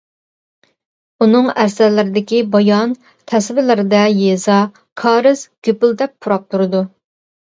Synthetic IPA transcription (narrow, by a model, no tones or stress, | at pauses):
unɨŋæɾsɛlɪɾɪd̪ɪkʲibɑjɑn | t̪ʰɛsvɪlɪɾɪd̪ɛjezɑ | kʰɑːɾɨz̥ɡ̥ʲøpyld̪ɛp̚ːʰuɾɑp̚t̪ʰuɾɨd̪u